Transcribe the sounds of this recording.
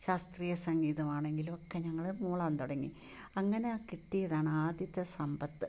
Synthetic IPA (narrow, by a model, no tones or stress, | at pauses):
ɕaːst̪riːjɐsɐŋɡiːðɐmaːɳe̞ŋɡilumokːe̞ɲɐŋːɐɭmuːɭaːnt̪oɽɐŋːi | ɐŋːɐnekiʈːijɐðaːɳɨaːd̪ʱjɐt̪ːɐsɐmbɐt̪ːɨ